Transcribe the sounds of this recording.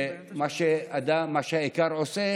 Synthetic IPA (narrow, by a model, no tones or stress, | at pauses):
maʃead̪amaʃeekaɾose